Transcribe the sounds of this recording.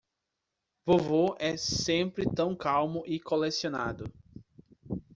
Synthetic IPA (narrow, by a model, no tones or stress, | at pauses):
vovoʔɛsẽpɾɪt̪ɐ̃w̃kawmʊʔɪkolesiona̰d̪ʊ